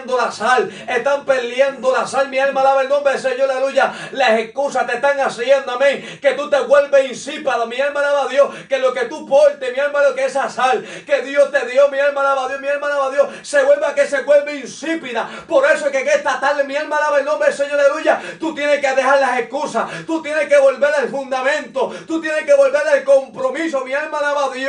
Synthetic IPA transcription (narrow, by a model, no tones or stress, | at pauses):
nd̪olasale̞ht̪ampe̞ljand̪olasalmĩalmalaβaelnõmbɾeseɲoɾaluʝalase̞hkusat̪eht̪aŋasjend̪oamẽŋ | ke̞t̪ut̪e̞ɣwe̞lβeinsipaðomialmalaβaðjohke̞lo̞ke̞t̪upoɾt̪emialmalokeesasalke̞ðjo̞st̪e̞ðjo̞mialmalaβaðjohmialmalaβaðjo̞ | se̞ɣwe̞lβake̞se̞ɣwe̞lβeinsipiða | po̞ɾe̞soekekeht̪at̪alːemialmalaβaelnõmbɾeseɲoɾaeluʝat̪ut̪jenekeðe̞haɾlase̞hkusat̪ut̪jenehke̞βo̞lβe̞ɾaelfũnd̪amẽ̞nt̪o̞t̪ut̪jenehke̞βo̞lβe̞ɾelko̞mpɾo̞mis̬omĩalmalaβaðj